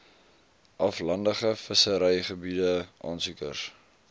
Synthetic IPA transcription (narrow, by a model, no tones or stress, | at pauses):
ʔɐflɐndəχəfəsəɾɛjχəbidəʔɑ̰ːnsukə̰rs